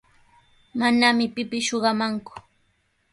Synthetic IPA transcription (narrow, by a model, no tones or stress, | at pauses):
manamɪpɪpɪsʃoɢɑmaŋkʊ̥